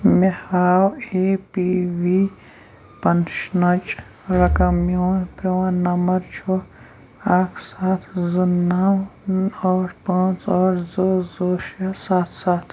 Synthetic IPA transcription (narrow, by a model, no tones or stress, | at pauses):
mehaːwepiwi | pɐnʃnɐt͡ʃʼ | ɾɐkɐmjoːnpɾɐwãnɐmɐɾt͡ʃʰu | aːkʰsaːt̪ʰzunːawɔɾpãːt͡sɔːɾzozoːʃjasaːt̪ʰsaːt̪ʰ